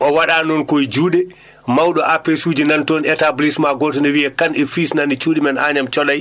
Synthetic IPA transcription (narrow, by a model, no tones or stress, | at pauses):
ʔɔwaɗanɔnkojd͡ʒuːɗɛ | mawɗɔʔapesuːd͡ʒinantɔnɛtablismaɡɔtɔnɛwiɛkanɛfisnanit͡ʃuːɗimɛnaɲamt͡ʃɔlaj